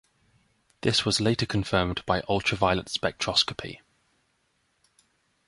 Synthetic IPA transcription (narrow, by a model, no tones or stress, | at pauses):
ðɪswɒzleɪtəkʰə̃ɱfɜːmb̥aɪʔʌlˠtʰɹ̥əvaɪələ̃ntspɛk̚tʰɹ̥ɒskə̥pʰḭ